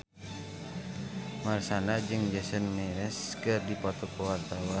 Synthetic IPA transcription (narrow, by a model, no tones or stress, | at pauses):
marsanad͡ʒɨŋd͡ʒɛsɔnmɛɾɛskɨrdipɔt̪ɔkɔwart̪awa